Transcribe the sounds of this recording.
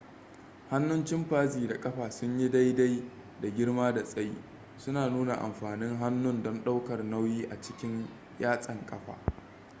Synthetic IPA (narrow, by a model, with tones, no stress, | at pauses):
ha˦nːʊ˦nt͡ʃɪ˦mɸaː˦ziː˨da˨kʼɐ˦ɸaː˨sʊ˦ɲji˦da˦jda˦j | da˨ɡʲɪ˦rmaː˦da˨sʼɐ˦jḭ˦ | sʊ˦naː˨nuː˦na˨ʔa̰˨mɸaː˨nɪ˦ŋɦa˦nːʊ˦ndɔ˦nɗa˦wkɐ˨rna˦wjiː˦ʔa˨t͡ʃɪ̥˦kʲɪ˦ɲ | jaː˦sʼɐ˨ŋkʼɐ˦ɸa̰ː˨